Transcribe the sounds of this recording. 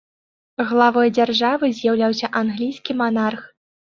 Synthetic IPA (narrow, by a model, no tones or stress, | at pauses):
ɣlˠavɔjd͡zʲarʐavɨzʲjawlʲawsʲɐʔanɣlʲijskʲimanarx